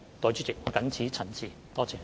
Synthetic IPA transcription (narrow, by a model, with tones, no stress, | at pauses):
t̪ɔː˨˩t͡ʃyː˥t͡sɪ˨˩k̚ːkɐ˨˥nt͡sʰiː˨˥t͡sʰɐ˨˩nsʰiː˨ | t̪ɔː˥t͡sɛː˨˧